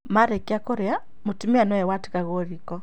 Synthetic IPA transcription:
maɾekeakoɾea | motimeanwɛwati̥kaɣoɾikɔ

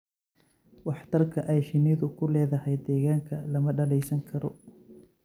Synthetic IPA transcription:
wɑħt̪ʰɐrkʰɐʔɛjʃɪnɪðʊkʰʊlɛːðɐɦɛjd̪ɛːɣaːŋkʰɐlɐmɐɖɐlɛjsɐŋkʰɐɾɔ̰

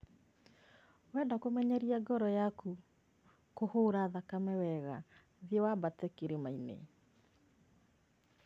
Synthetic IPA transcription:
wɛndakomɛɲɛɾiaɡɔɾɔjaku | kohoːɾaðakamɛwɛɣa | ðiɔwabatɛkeɾemainḛ

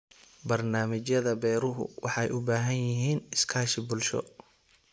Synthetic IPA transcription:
bɐrnaːmɪt͡ʃjɐðɐbɛːɾʊɦʊ̰wɑ̰ħɑjʔʊbaːɦɐnjɪɦiːnɪskʰaːʃɪbʊlʃɔ̰

